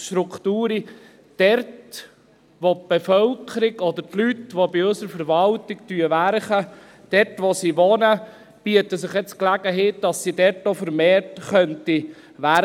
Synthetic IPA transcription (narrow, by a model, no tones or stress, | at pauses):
ʃtɾukχt̪uːɾi | d̥ɛɾt | ʋop̚b̥efœlkʰəɾɪɡɔd̪əɾtlytʋobiɵsəɾfəɾʋɑltɪktyəʋæɾχə | d̥ɛɾtʋosiʋɔnə | b̥iətəsɪχjɛt͡sklæɡəɦeːt̚d̥ɑsːidɛɾtofəɾmeːɾtχœnti | ʋæ